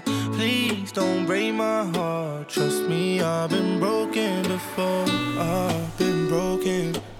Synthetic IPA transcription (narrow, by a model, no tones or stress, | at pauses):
pʰl̥izdõʊ̃nb̥ɹẽɪmaɪɦɑɹttʰɹ̥ʌst̚miaɪvbɨ̃nbɹoʊkɨ̃nbɪfɔɹaɪvbɨ̃nbɹoʊkɨ̃n